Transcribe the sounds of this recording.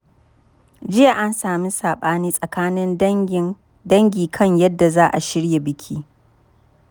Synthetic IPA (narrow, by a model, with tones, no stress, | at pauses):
d͡ʒɪ˦jaː˨ʔa˦nsaː˨mi˦saː˨ɓaː˦niː˦sʼɐ˨kaː˦nɪ˦n˦ | dɐ˦ŋɡʲiː˨kʰɐ˦ɲjɐ˦dːa˨zaː˦ʔa˨ʃɪ˦ɽja˨bɪ˦kʲʰiː˦